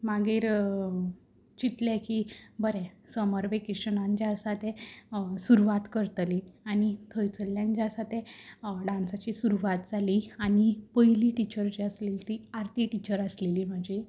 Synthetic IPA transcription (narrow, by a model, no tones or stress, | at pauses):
maɡiːɾ | t͡ɕit̪lɛkibəɾɛ̃səməɾʋekiɕənãnd͡ʑasat̪ɛsuɾuʋat̪kəɾt̪lianit̪ʰəjt͡səljãnd͡ʑasat̪ẽɖãnsat͡ɕisuɾuʋat̪d͡zalianipəjliʈit͡ɕəɾt͡ɕiəslelt̪iaɾt̪iʈit͡ɕəɾəsleliːm̤əd͡ʑi